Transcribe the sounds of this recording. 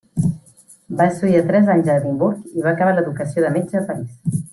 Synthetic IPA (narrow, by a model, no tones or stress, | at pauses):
basuiət̪ɾɛzaɲzəɾimbuɾkiβaːkəβ̞aləðukəsioðəmed͡ʒəːpəɾis